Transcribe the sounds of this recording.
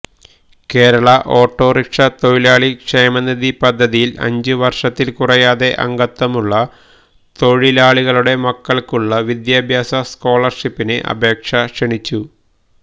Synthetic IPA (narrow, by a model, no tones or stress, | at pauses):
ke̞ːɾɐɭɐʔo̞ːʈːo̞ːrikʂɐt̪o̞ɻilaːɭikʂejmɐnːɐðipɐd̪ʱːɐðijilɐ̰ɲd͡ʑɨʋɐrʂɐt̪ːilkurɐjaːðe̞ʔɐ̰ŋɡɐt̪ːɐmuɭːɐ | t̪o̞ɻilaːɭiɣɐɭuɽe̞mɐkːɐɭkuɭːɐʋid̪jaːbʱjaːsɐsko̞ːɭɐrʂipːineʔɐ̰bʱe̞ːkʂɐʂeɳit͡ɕːu